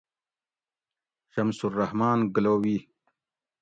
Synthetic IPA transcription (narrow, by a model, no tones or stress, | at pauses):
ɕɐmsuɾːɐhmɑːnɡiloːwiː